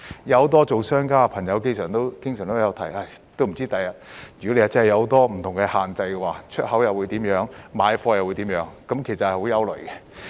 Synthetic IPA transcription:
jɐ˨˧wt̪ɔː˥t͡so˨wsœː˥ŋkaː˥˨pʰɐ˨˩ŋjɐ˨˧wke˥˧jsœː˨˩ŋt̪o˥kɪ˥ŋsœː˨˩ŋt̪o˥jɐ˨˧wt̪ʰɐ˨˩jaː˧˩ | t̪o˥wm̩˨˩t͡siː˥t̪ɐ˨jɐ˨t̚jy˨kɔ˥le˧ja˨˩t͡sɐ˥hɐ˨˩jɐ˧ht̪ɔː˥m̩˨˩t̪ʰʊ˨˩ŋkɛ˧haː˨nt͡sɐ˧jkɛ˧waː˨t͡ʃʰɵ˥t̚hɐ˨˥wjɐ˨wu˨˧jt̪iː˨˥mjœː˨˥ŋmaː˨˧jfɔː˧jɐ˨wu˨˧t̪iː˨˥mjœː˨˥ŋkɐ˨˥mkʰe˨˩jsɐ˨t̚hjho˨˥wjɐ˥wlɵ̰˨˩kɛ˧

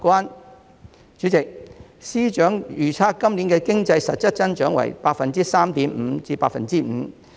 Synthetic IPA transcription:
kwaː˥n | t͡ʃyː˨˥t͡sɪ˨k̚siː˥t͡ʃœː˨˥ŋjyː˨˩t͡sʰaː˧kːɐ˥mliː˨˥nkɛː˧kɪ˥ŋt͡sɐ˧jsɐ˨t̚t͡sɐ˥t̚t͡sɐ˥nt͡ʃœː˨˥ŋwɐ̰˨˩jpaː˧k̚fɐ˨nt͡siː˥saː˥mt̪iː˨˥m̩˨˧t͡siː˧paː˧kfɐ˨nt͡siː˥m̩ː˨˧

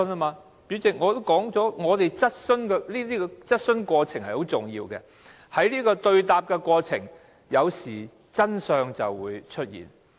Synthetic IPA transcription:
na˥maː˧ | piː˨˥wt͡sɪ˨k̚ŋɔː˨˧t̪o˥wkɔː˨˥ŋt͡sɔː˨˥ŋɔː˨˧t̪e˨jt͡sɐ˥t̚sɵ˥nkɛ˧liː˥t̪iː˥kɛ˧t͡sɐ˥t̚sɵ˥nkʷɔː˧t͡sʰɪ˨˩ŋhɐ˨jho˨˥wt͡sʊ˨ŋjḭː˧wkɛ̰ː˧ | hɐ˨˥jliː˥kɔː˧t̪ɵ˧ɥt̪aː˨p̚kɛ˧kʷɔː˧t͡sʰɪ̰˨˩ŋ | jɐ˨˧wsiː˨˩ | t͡sɐ˥nsœː˧ŋt͡sɐ˨wːuː˨˧jt͡ʃʰɵ˥t̚jḭː˨˩n

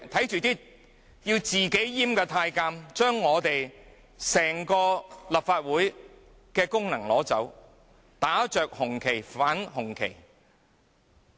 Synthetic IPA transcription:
t̪ʰɐ˨˥jt͡ʃyː˨t̪iː˥ | jiː˧wt͡siː˨ke˨˥jjiː˥mkɛː˧t̪ʰaː˧jkaː˧mt͡ʃœː˥ŋːɔː˨˧t̪e˨j | sɛː˨˩ŋkɔː˧lɐ˨˩p̚faː˧t̚wuː˨˥j | kɛː˧kʊ˥ŋnɐ˨˩ŋlɔː˨˥t͡sɐ˨˥w | t̪aː˨˥t͡ʃœː˨k̚hʊ˨˩ŋkʰe˨˩jfaː˨˥nhʊ˨˩ŋkʰe˨˩j

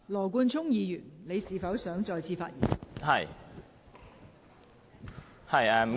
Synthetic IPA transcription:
lɔː˨˩k̬uː˧nt͡sʰʊ˥ŋjiː˧jyː˨˩nle˨˧jsiː˨fɐ˨˥wsœː˨˥ŋt͡sɔː˧jt͡sʰiː˧faː˧t̚jḭː˨˩nhɐ̰˨j | hɐ˨jɛ˧m̩˨˩

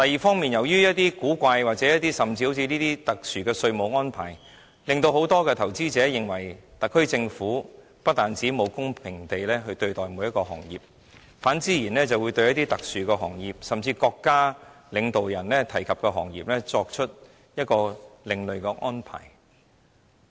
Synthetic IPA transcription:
t̪ɐ˨jiː˨fɔː˥ŋmiː˨˩njɐ˨˩wjyː˥jɐ˥t̚t̪iː˥kuː˨˥kʷa˧jwaː˨k̚t͡sɛː˨˦jɐ˥t̪iː˥sɐ˨mt͡siː˧ho˧˥wt͡sʰiː˧niː˥t̪iː˥t̪ɐ˨k̚syː˨˩kɛː˧sɵ˧ɥmo˨˧wŋɔː˥npʰa̰ː˨˩j | lɪ˨ŋt̪o˧wɦo˨˥wt̪ɔː˥kɛː˧t̪ʰɐ˨˩wt͡siː˥t͡sɛː˨˥jɪ˨ŋwɐ˨˩jt̪ɐ˨kʰːɵ˥ɥt͡sɪ˧ŋfuː˨˥ | pɐ˥t̚t̪aː˨nt͡siː˨˥mo˨˧wkʊ˥ŋpʰɪ˨˩ŋt̪e˨jlɛː˥ɦɵ˧ɥt̪ɵ˧ɥt̪ɔː˨˩jmu˨˧jɐ˥t̚kɔː˧ɦɔ̰ː˨˩ŋjḭː˨p̚ | faː˨˥nt͡siː˥jiː˨˩nlɛː˥t͡sɐ˨wuː˨˧jt̪ɵ˧jɐ˥t̪̚iː˥t̪ɐ˨k̚syː˨kɛː˧ɦɔ̰ː˨˩ŋjiː˨˩p̚sɐ˨mt͡siː˧kɔː˧kːaː˥ | lɪ˨˧ŋt̪o˨wjɐ˨˩nlɛː˥t̪ʰɐ˨˩jkʰɐ˨p̚kɛː˧ɦɔ̰ː˨˩ŋjiː˨p̚lɛː˥t͡sɔː˧k̚t͡ʃʰɵ˥t̚ | jɐ˥t̚kɔː˧lɪ˨˧ŋlɵ˨ɥkɛ˧ʔɔː˥npʰa̰ː˨˩j

